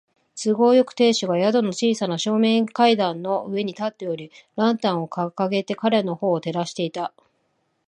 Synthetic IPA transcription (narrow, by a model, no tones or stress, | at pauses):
t͡sɨɡo̞ːjo̞kɯ̟̥t̪e̞ːɕɨɡajad̪o̞no̞t͡ɕiːsanaɕo̞ːmẽ̞ŋkaid̪ãnːo̞ʔɯ̟e̞ɲ̟it̪at̪ːe̞o̞ɾʲiɾãnt̪ãɰ̃o̞kakaɡe̞t̪e̞kaɾe̞no̞ho̞ːt̪e̞ɾaɕi̥t̪e̞it̪a